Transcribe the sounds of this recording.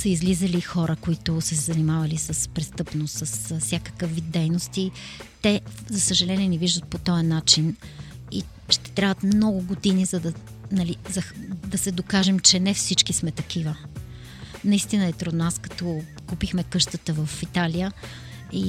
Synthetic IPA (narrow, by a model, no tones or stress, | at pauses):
səizlizəlixɔɾʔəkoit̪ʊsɛzɐnimavɐlisəspɾɛst̪ɤpnost̪səssʲakə̥kəfvid̪̚d̪ːɛjnost̪i | t̪ɛzɐsəʒɐlɛniɛnɛviʒd̪ət̪̚pot̪ɔjɐnat͡ʃini | ʃt̪ɛ̥t̪ɾʲavət̪mnɔɡʊɡod̪inizɐd̪ɐ | nɐlizɐd̪ɐsɛd̪okaʒɛmt͡ʃɛnɛfsit͡ʃkismɛt̪ɐk̟ivə | nɐist̪inəɛt̪ɾud̪naskɐ̥t̪ɔ | kupixmɛkɤʃt̪ət̪əvəfit̪alijə | i